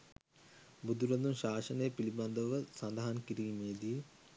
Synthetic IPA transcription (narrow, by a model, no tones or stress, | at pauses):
bud̪uɾɐnd̪unɕaːʃɐnəjəpilibɐnd̪əʋəsɐnd̪ɐɦɐnkiɾiːmeːd̪i